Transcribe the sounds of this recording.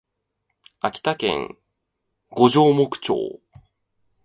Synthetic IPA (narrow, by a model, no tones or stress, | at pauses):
akʲi̥t̪akḛ̃ŋ | ɡo̞ʑo̞ːmo̞kɯ̟̥t͡ɕo̞̰ː